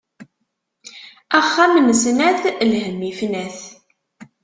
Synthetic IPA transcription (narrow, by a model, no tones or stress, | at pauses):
æχːamnəsnæθlhəmːifnæθ